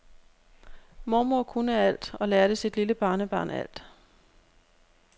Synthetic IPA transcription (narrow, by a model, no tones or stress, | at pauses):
mɒmokʰunəæl̰d̥ɒ̽læːɐɾ̥esid̥liləb̥ɑ̈ːnəb̥ɑ̰̈ːnæ̰l̰d̥